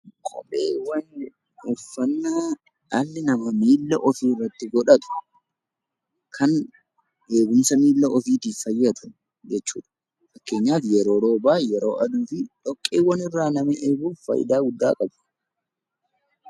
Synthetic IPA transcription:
kʼɔ̰pʼeːwɐn | ʊfːɐnːaː | ɐlːɪnɐmɐmiːlːɐʔɔfiːrːɐt̪ːɪɡɔᶑɐt̪ʊ̥ | kʰɐn | ʔe̞ːɡʊmsɐmiːlːɐɔfiːt̪iːfɐjːɐt̪ʊ̥ | d͡ʒɛt͡ʃːṵːᶑɐ̥ | fɐkːe̞ːɲːaːfjɛɾo̞ːɾoːbaːjɛɾo̞̰ːʔɐd̪uːfɪᶑɔkʼːeːwɐnɪrːaːnɐmɐʔeːbuːfɐ̰jɪ̰d̪aːɡʊd̪ːa̰ːkʼɐbʊ̥

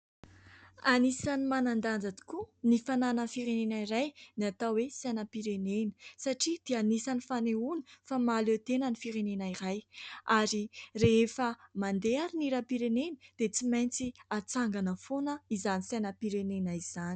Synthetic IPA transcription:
anisanimanand̪and͡zad̪i̥kunifananəfiɾenenaiɾajniat̪awesanəpiɾenenəsaʈ͡ʂid̪̥eanisanifaneuni̥famaløt̪enənifiɾenenaiɾajaɾireefəmand̪eaɾiniɾapiɾenenə̥d̪̥et͡simajnt͡siat͡saŋɡanəfonəizanisanapiɾenenaiz̥ani̥

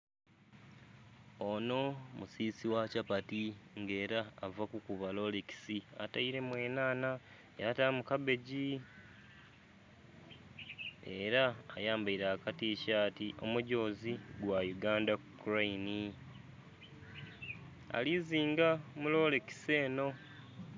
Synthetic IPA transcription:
o̞no̞musiːsiwacapatiŋɡe̞ːɾaːvakukuβalo̞leki̥sia̰taiɾe̞mwe̞ːnaːna | eatamukabe̞ɟi | e̞ɾaːjaːmbaiɾaːkatiːʃaːtiʔo̞muɟo̞ːziɡwajuɡaːndakukuɾaini | a̰liziːŋɡamulo̞leki̥se̞ːno̞

